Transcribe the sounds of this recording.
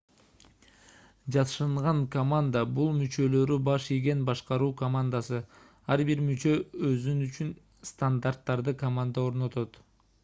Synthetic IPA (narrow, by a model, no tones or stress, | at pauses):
d͡ʒɑt̪ʃɯɴʁɑŋkomand̪abulˠmyt͡ʃø̞lø̞ɾybɑʃijɡʲe̞nbɑʃqɑɾuːkomand̪asɯ | ɑɾbiɾmyt͡ʃø̞øzynyt͡ʃyn | st̪and̪art̪ːɑɾd̪ɯkɐmand̪ao̞ɾno̞t̪o̞t̪